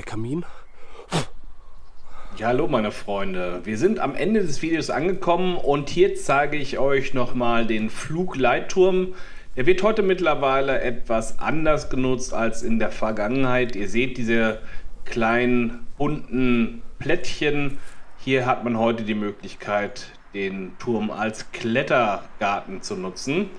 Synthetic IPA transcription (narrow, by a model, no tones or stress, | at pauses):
kʰamiːn | jaːhaloːmaɪnəfʁ̥ɔʏndəviːɐzɪnta̰mʔɛ̰ndədɛsv̥iːdeoːsʔa̰nɡəkʰɔmənʔʊnthiːɐt͡saɪɡəɪçʔɔʏçnɔχmaːldeːnfluːklaɪtʰːʊɐm | d̥eːɐvɪɐthɔʏtəmɪtlɐvaɪləʔɛtv̥asʔa̰ndɐsɡ̥ənʊt͡stalsɪndeːɐfɛɐɡaŋənhaɪtʔiːɐzeːt̚d̥iːzəkʰl̥aɪnənb̥ʊntn̩pl̥ɛtçənhiːɐɦatmanɦɔʏtədiːmøːklɪçkʰaɪt | d̥eːntʰʊɐmʔa̰lskʰlɛtɐɡ̥aɐtn̩t͡sunʊt͡sn̩